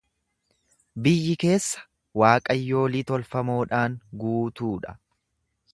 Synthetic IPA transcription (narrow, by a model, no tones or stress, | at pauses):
bɪjːɪke̞ːsːɐ̥ | waːkʼɐjːo̞ːlɪt̪ɔlfɐmo̞ːᶑaːŋɡuːt̪uːᶑɐ̥̰